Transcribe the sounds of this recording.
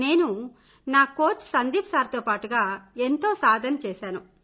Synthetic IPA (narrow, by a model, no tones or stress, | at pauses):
ne̞ːnu | naːkoːʈsɐnd̪iːpsaːɾɐt̪oːpaːʈuɡaːent̪o̞ːsaːd̪ʱɐnɐt͡ʃɛːʃaːnu